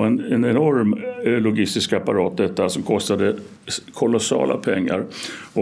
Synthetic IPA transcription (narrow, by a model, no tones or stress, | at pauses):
ɛnɛnɛnɔɾmlʊɡɪst̪ɪskapaɾɑːt̪̚d̪ɛt̪ːasɔmkʰɔst̪ad̪ə | kʰɔlɔsɑ̰ːlʔa̰pʰɛŋːa̰ɾɔ